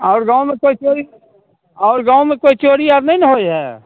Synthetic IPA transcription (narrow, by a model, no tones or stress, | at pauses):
ɔːɾɡãːõmẽkoːit͡ʃoːɾi | ɔːɾɡaːõmẽkoːit͡ʃoːɾijaːd̪nɐɦĩnɐɦoeɦɛ̰ː